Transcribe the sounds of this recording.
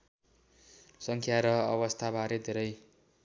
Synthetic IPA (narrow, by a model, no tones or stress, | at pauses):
sʌŋkʰjaɾʌʌβʌst̪ʰabʱaɾed̪ʱeɾʌj